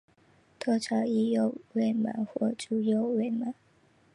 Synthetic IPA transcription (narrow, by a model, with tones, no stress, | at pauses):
t̪ʰɔ˥˧ʈ͡ʂʰɑ˨˧˥i˥˧jo˥˨ʊwe˥˩ɪma̰˧˥˦nxwɔ̰˥˩ʈ͡ʂu˨˥jo˥˧ʊwe˥˩ɪma˨˦n